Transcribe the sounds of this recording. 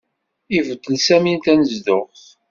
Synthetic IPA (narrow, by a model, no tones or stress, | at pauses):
ivəd̪əlsæmint̪ænəzdʊʁθ